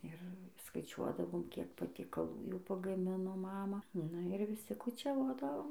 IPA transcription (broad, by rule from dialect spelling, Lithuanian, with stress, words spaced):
ɪr skɐɪˈt͡ʃʲuɔdɐʋoːm kʲiɛk pɐtʲiɛkɐˈlˠuː jɛʊ pɐɡɐˈmʲɪnoː ˈmɑːmɐ nʊ ɪr ʋʲɪˈsʲɪ kʊt͡ʃʲɛˈʋoːdɐʋoːm